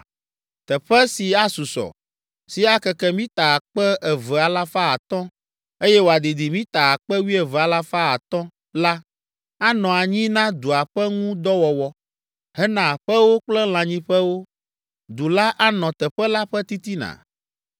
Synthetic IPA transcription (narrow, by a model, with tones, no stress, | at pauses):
t̪ɛ˨ɸɛ˦si˨a˦su˨sɔ̰˨ | si˨a˦kɛ˦kɛ˦mĩ˦t̪a˨a˨k͡pɛ˦ʔɛ˨vɛ˨a˨la˦fa˦a˨t̪ɔ̃˦ | e˦jɛ˦wo˨a˨d̪i˨d̪i˨mĩ˦t̪a˨a˨k͡pɛ˦wi˦ɛ˨vɛ˨a˨la˦fa˦a˨t̪ɔ̃˦ | la˦ | a˦nɔ̃˨a˨ɲĩ˦nã˦d̪u˨a˨ɸɛ˦ŋũ˦d̪ɔ˦wɔ˨wɔ˦ | hɛ˦nã˨ɸɛ˦wo˦k͡plɛ˦l̃ã˨ɲĩ˦ɸɛ˦wo˦ | d̪u˨la˦ʔa˦nɔ̃˨t̪ɛ˨ɸɛ˦la˦ɸɛ˦t̪i˦t̪i˦nã̰˨